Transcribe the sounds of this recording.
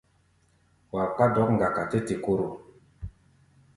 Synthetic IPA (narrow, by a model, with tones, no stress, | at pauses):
wa˨ka˦dɔ˦kŋ̩˨ɡa˨ka˨te˦te˨ko˦ɾo˨